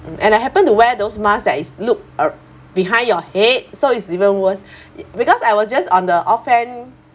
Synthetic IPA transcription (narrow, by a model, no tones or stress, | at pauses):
ʔɛ̰̃naɦɛpə̃ntuwɛdosmasdɛt̚isluk̚ | biɦãɪ̃ndjɔhet̚soitsivə̃nwəs | bikɔsajwɔsd͡ʒasɔ̃ndəʔɔfɛ̃n